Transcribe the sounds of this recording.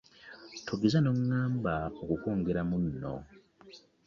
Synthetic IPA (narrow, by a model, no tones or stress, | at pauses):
tʰoɡizano̞ŋːaːmbaokukoːŋɡe̞ɾamunːo̰